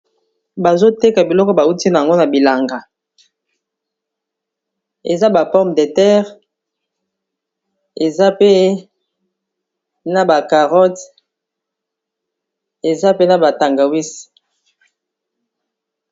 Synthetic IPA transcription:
ba˨zo˦te˦ka˨bi˨lɔ˦kɔ˦ba˨u˦ti˦na˨a˨ŋɡo˦na˨bi˨la˨ŋɡa˨ | ḛ˨za˦ba˨fɔ˦ʁm˨de˨tɛ˦ʁ | e˨za˦pe˦ | na˨ba˨ka˨ʁɔ˦t | e˨za˦pe˦na˨ba˨ta˨ŋɡa˨wi˦s

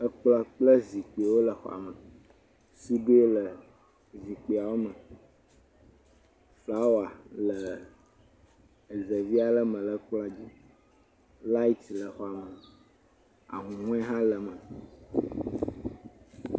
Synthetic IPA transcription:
ə˦k͡pla˦k͡plə˦zi˨k͡pe˨wo˦lə˨xɔ̰˨a̰˨mə˨ | si˦be˦lə˨ | zi˨k͡pi˨a˨wo˦mə˨ | fla˦wa˨lə˨ | ə˨zə˨vi˦a˨lə˦mə̃˨lə˨˦k͡pla˦d͡ʑi˦ | la˦i˦t̪lə˨xɔ˨a˨mə˨ | a̰˨ŋũ˨ŋũ˦ɛ˦ɦã˦lə˨mə̃˨

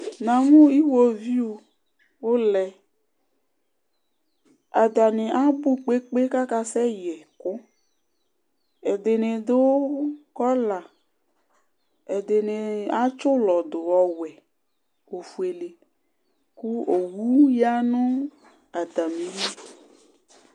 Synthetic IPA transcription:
nã˨mũ˦i˦wo˦vi˦o˨ | wo˦lɛ˨ | a˨d̪a˨nẽ˨ʔa˦bu˦k͡pe˦k͡pe˦ka˦ka˦sɛ˦jɛ˨kʊ˦ | e˨d̪e˨ne˨d̪e˦wo˦kɔ˦la˨ | e˨d̪e˨ne˨a˦t͡ʃʊ˦lɔ˨d̪ʊ˨wɔ˨wɛ˨ | o˨fu˨e˨le˨ | ku˦o˨wu˦ja˦nʊ̃˦ | a˨d̪a˨mẽ˨ji˦

